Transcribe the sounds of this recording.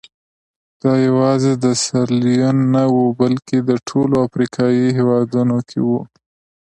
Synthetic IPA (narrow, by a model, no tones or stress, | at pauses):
d̪̥ɑjawɑzed̪əsaɾlijonːawubalked̪əʈʰoloafɾikʰɑjiɦewɑd̪unokʰḛwu